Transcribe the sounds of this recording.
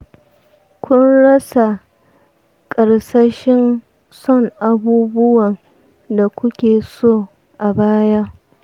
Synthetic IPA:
kʷʊ˦nɽɐ˦sa˨ | kʼɐ˨ɽsɐ˦ʃɪ˦n | sɔ˦˨ŋʔa˨buː˦bʊ˦wɐ˨n | da˨kʷʊ˦kʲeː˨soː˦ | ʔa˨baː˦ja˦

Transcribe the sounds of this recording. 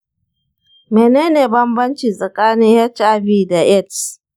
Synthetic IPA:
meː˨neː˦neː˨bɐ˦mbɐ˦nt͡ʃi˨sʼɐ˨kʼaː˦nɪ˦ŋha˦t͡ʃa˦biː˦˨da˨ʔɛ˦˨ts

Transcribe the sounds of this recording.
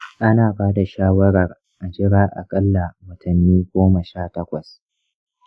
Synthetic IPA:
ʔa˦naː˨baː˦da˨ʃaː˦wɐ˦ɽɐ˨r | ʔa˨d͡ʒɪ˦ɽaː˦ʔa̰˨kʼɐ˦lːa˨wɐ˨tʰʊ˨nːiː˦ɡʷoː˦mɐ˨ʃaː˦tɐ˦kʷɐ˨s

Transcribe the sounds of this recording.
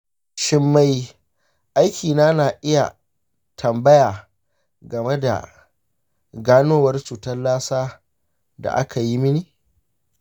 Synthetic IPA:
ʃɪ˦mːa˦j | ʔa˦jkʲiː˨naː˦naː˨ʔɪ˦ja̰˨ | tʰɐ˨mbɐ˦jaː˨ | ɡɐ˨me˦da̰˨ | ɡaː˦noː˦wɐ˦rt͡ʃuː˨tɐ˦nlaː˦saː˦ | da̰˨ʔa̰˦kʰa˨ji˦mɪ˦niː˨

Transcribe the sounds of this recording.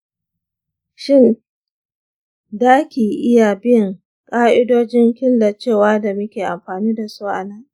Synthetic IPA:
ʃɪ˦˨n | daː˦kʲiː˨ʔɪ˦ja˨bɪ˦˨ŋ | kʼaː˦ʔɪ˦doː˦d͡ʒɪ˦ŋkʲɪ˦nda˨t͡ʃeː˦˨waː˦da˨mʊ˦kʲeː˨ʔa˨mɸaː˨niː˦da˨suː˦ʔa̰˨nɐ˦ŋ

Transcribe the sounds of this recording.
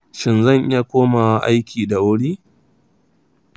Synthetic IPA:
ʃɪ˨nzɐ˦˨ŋʔɪ˦ja˦kʷoː˦ma˨˦ʔa̰˦jkʲʰiː˨da˨ʔʊ˦ɽiː˦

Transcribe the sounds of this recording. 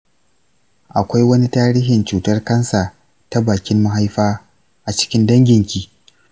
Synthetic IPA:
ʔa˨kʷa˦jwɐ˦ni˦taː˦ɾiː˦ɦɪ˨nt͡ʃuː˨tɐ˦rkɐ˦nsa˨ | ta˦baː˨kʲɪ˦mːa˦ɦa˦jɸaː˦ | ʔa˨t͡ʃɪ̥˦kʲɪ˦ndɐ˦ŋɡʲɪ˨ŋkʲiː˦˨

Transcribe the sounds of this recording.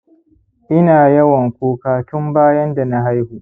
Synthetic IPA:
ʔɪ˦naː˨jɐ˦wɐ˨ŋkʷoː˦kaː˦tʊ˦mbaː˦jɐ˦nda˨na˦ɦa˦jhuː˨

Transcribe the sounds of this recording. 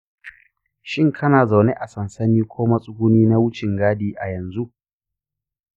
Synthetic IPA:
ʃɪ˦ŋkʰɐ˦naː˨za˨wne˦ʔa˨sɐ˨nsɐ˦niː˦kʷʰoː˦mɐ˦sʼʊ˦ɡʷʊ˦niː˦na˦wʊ˦t͡ʃɪ˨ŋɡaː˦diː˦ʔa˨jɐ˨nzu˦ʔ

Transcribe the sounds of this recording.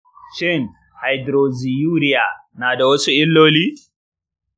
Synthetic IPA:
ʃɪ˦n | ha˨jdɾo˨zi˨juː˦ɾɪ˦ja˨naː˨da˨wɐ˦su˦ʔɪ˦lːoː˦liː˦

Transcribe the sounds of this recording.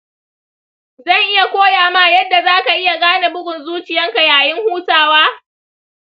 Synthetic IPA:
zɐ˦˨ŋʔɪ˦ja˨kʷoː˦jaː˨maː˦jɐ˦dːa˨zaː˦ka˨ʔɪ˦ja˨ɡaː˦na˨bʊ˦ɡʷʊ˨nzuː˦t͡ʃɪ˨jɐ˦ŋka˨jaː˨jɪ˦ŋhuː˦taː˨waː˦

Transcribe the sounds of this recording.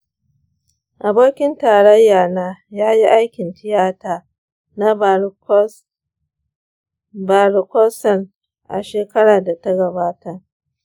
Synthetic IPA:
ʔa˨boː˦kʲɪ˦ntaː˨ɽɐ˦jːaː˨naː˦jaː˦ji˦ʔa˦jkʲɪ˨ntɪ˦jaː˦taː˨ | na˦ | ba˨ɾkɔ˦sɐ˨n | ʔa̰˨ʃeː˨kɐ˦ɽaː˨da˨ta˦ɡɐ˨baː˦ta˦˨

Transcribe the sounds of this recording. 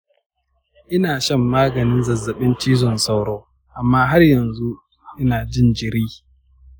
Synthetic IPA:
ʔɪ˦naː˨ʃɐ˦˨mːaː˦ɡɐ˨nɪ˦nzɐ˨zːɐ˨ɓɪ˦nt͡ʃiː˦zɔ˨nsa˦˨wɽoː˦ | ʔa˨mːaː˦ɦa˦rjɐ˨nzu˦ | ʔɪ˦naː˨d͡ʒɪ˦nd͡ʒɪ˨ɾiː˦

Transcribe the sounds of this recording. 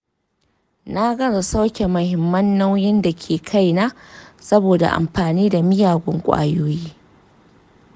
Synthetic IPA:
na˦ɡɐ˦ɾa˨sa˦wkʲe˨mʊ˨hɪ˨mːɐ˦nːa˦wjɪ˦nda˨kʲʰeː˨kʰa˦jnaː˦sɐ˦boː˨da̰˨ʔa̰˨mɸaː˨niː˦da˨mɪ˦jaː˨ɡʷʊ˦ŋkʷʼa̰ː˦joː˦jiː˦

